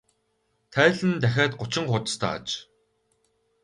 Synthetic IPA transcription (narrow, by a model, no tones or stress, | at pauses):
t̪ʰæːɮɘ̆nt̪æxʲæːt̪̚ɢʊt͡ɕɪ̆ŋχʊt̪st̪ʰa̰ːa̰t͡ɕ